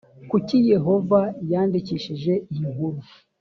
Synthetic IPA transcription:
kucije̞ɦo̞vajaːndiciʃiʒe̞ijiŋuɾu

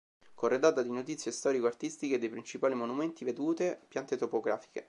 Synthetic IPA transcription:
korːed̪aːt̪ad̪inot̪̬it̪sːjest̪ɔːɾikoart̪ist̪iked̪ːejpɾint͡ʃipaːlimonumɛnt̪ived̪uːt̪epjant̪et̪opoɡɾaːfi̥kḛ

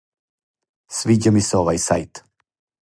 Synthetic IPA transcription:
sviɟəmisɔvajsajt̪

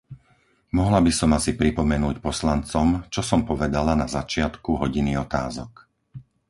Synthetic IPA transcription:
mɔɦlabisɔmasipɾipɔmɛnuːcpɔslant͡sɔmt͡ʃɔsɔmpɔʋɛd̪alanazat͡ʃɪat̪kuɦɔɟiniɔt̪a̰ːzɔk

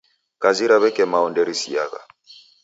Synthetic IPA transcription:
kʼaziɾaβɛkʼɛmaɔndɛɾisija̰ɣa̰

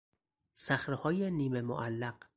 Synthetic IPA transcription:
sæxɾehɒːjeniːmemo̰ʔælːæɢ̥

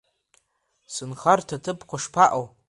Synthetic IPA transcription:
sɨnχartʰatʰɨpʰqʷaʂpʰaʔow

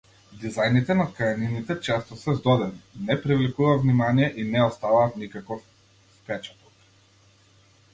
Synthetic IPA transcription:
d̪izajnit̪ɛnakajaninit̪ɛt͡ʃɛst̪ɔsɛzd̪ɔd̪ɛninɛpɾivlikuvavnimanijɛʔinɛɔst̪avaːt̪nikakɔfː | pɛt͡ʃḁt̪ɔ̥k̚

